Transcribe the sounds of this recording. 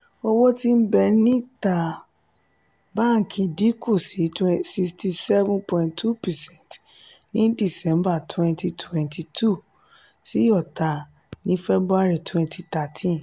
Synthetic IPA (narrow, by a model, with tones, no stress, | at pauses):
ɔ˦wɔ˦ti˦m̩˦bɛ˧˨nĩ˦ta˨ | ba˦ŋ̩˨kʰĩ˧di˦ko˦˨si˨˦twsi˧sti˧sɛ˦vũ˦npɔ̃˨ĩ˨ntʰu˦pɛ˨sɛ̃˦˨ntnĩ˦di˦˨sɛ̃˨˦mba˦˨tʰwɛ̃˧nti˧tʰwɛ̃˨ntʰi˧tʰu˦˨ | si˦ɔ˦˨ta˨ | nĩ˦fɛ˦bɾu˦a˧ɾi˨tʰwɛ̃˧nti˧ta˨tʰĩ˦n